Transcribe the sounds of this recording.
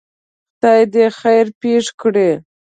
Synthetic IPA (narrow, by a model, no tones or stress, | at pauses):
t̪ɑjd̪exajɾpeʂkɽe